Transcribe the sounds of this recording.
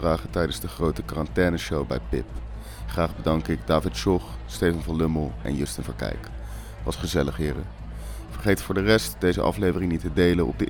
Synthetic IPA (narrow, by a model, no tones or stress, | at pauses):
raːχətɛjdənzdəχrowtəkaːrɑntɛːnəʃowbɛ̰jpɪp̚ | χraːχbədɑŋkɪɡdaːvɪtʃɔχstejvɑnvɑnlɵməlˠɛ̰njøstənvəɹkɛ̰jk | ʋɑsχəzɛləχɦɪːrə̰ | v̥əɹχejtfʊːɹdərɛstd̥ejzə̰ʔɑ̰flejvərɪŋnitədejlənʔɔ̰b̚dəʔ